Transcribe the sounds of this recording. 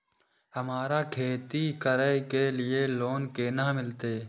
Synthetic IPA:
həmaːɾakʰeːt̪ikəɾəjkelɪeloːnkeːnaːmɪlt̪eː

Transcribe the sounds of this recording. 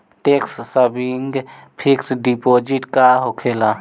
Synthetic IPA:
ʈekssəbiŋɡpʰiksɖipoːd͡ʒiʈkaɦokʰeːla

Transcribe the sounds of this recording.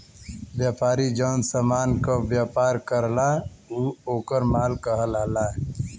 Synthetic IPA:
bjaːpaːɾid͡ʒəːnsəmaːnkobjaːpaːɾkəɾlauːoːkəɾmaːlkəɦələɦla

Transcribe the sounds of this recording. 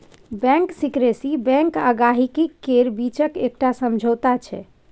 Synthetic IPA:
bɛ̃ŋksikɾesibɛ̃ŋkaɡaɦikikːeɾbit͡ʃəkek̚ʈasəmd͡ʒʱot̪at͡ʃʰɛ̰

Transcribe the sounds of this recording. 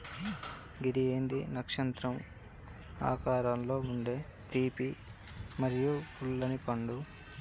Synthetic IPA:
ɡid̪ie̞ːnd̪inɐkʂɐnt̪ɾɐm | a̰ːkaːɾaːmlo̞ːuɳɖe̞ːt̪iːpimɐɾijupʰuɭːɐnipɐɳɖu

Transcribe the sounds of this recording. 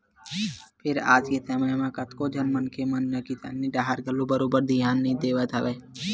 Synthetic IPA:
pʰɪɾa̰ːd͡ʒket̪ʰememãkət̪kod͡ʒɐnmənkemənːəkit̪ʰɐ̰nːĩɖaːɦəɾɡʱəlobəɾoːbəɾd̪ʱɪjaːnːəɦĩd̪eːʋət̪ɐʋeː

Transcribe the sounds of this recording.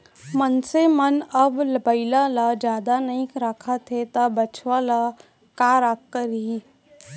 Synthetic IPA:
mənsemənəbləbəilalad͡ʒjaːd̪anəĩkɾaːkʰat̪ʰet̪abət͡ʃʰʋala | kaːɾaːkːəɾɦi

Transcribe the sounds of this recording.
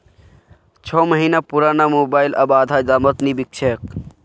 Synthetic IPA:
t͡ʃʰɔməɦinapuɾaːnamoːbaːjlʔɐbaːd̪ʱaid̪aːmət̪nibik̚t͡ʃʰek

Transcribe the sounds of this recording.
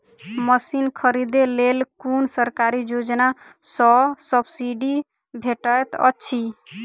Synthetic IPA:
məsinkʰəɾid̪elelkunsəɾkaɾid͡ʒod͡ʒna | sɔsəbsiɖi | bʱeʈəjt̪ə̰tːʃʰi

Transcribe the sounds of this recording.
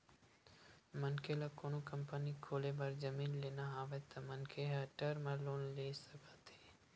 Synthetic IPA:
mənkelakoːnokəmpənikʰoːlebəɾd͡ʒəmiːnleːnaaːʋet̪ɐmənkʰeɦaʈəɾmaloːnleːsəkʰat̪eː

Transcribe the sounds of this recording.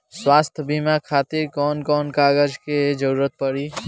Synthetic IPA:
swaːst̪ʰbimakʰaːt̪iɾkɔːnkɔːnkaːɡəd͡ʒked͡ʒəɾuːɾət̪̚pəɽi

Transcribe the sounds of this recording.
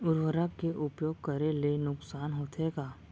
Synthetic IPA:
ʊɾʋəɾakeʔʊpjoːɡ̚kɐɾelenʊksaːnɦoːt̪ɦeːɡaː

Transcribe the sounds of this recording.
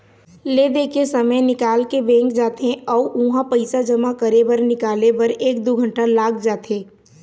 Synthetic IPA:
leːd̪eːkʰesəməjnɪkaːlkebɛ̃ːŋkd͡ʒaːt̪ẽɔːʔũɦãpəɪsad͡ʒəmakəɾebɐɾnɪkaːlebɐɾeːk̚d̪oɡʱə̃ɳʈalaːɡd͡ʒaːt̪ʰeː

